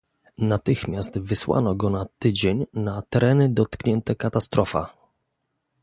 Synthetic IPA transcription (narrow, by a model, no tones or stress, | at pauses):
nat̪ɘxmʲjast̪vɘswa̰nɔɡɔnat̪ɘd͡ʑeɲnat̪ɛɾɛnɘd̪ɔt̪kɲɛnt̪ɛkat̪ast̪ɾɔfa̰